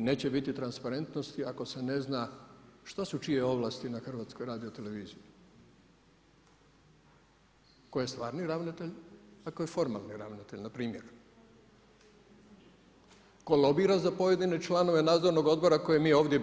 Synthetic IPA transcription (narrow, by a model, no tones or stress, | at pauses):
ne̞ːt͡ɕe̞bit̪it̪ɾanspaɾe̞nt̪no̞st̪iako̞se̞ne̞znaʃt̪asut͡ʃije̞o̞ʋlˠaːst̪inaxr̩ʋaːt̪sko̞jɾaːd̪io̞t̪e̞le̞ʋiːziji | ko̞jest̪ʋaːɾniɾaʋnit̪eʎakojefo̞ɾma̰lˠniɾa̰ʋnit̪eʎnapɾiːmjeɾ | ko̞lˠo̞biɾazapo̞je̞d̪ine̞t͡ʃlˠano̞ʋe̞naːd̪zoɾno̞ɡo̞d̪̚bo̞ɾako̞jemiːeoːʋd̪je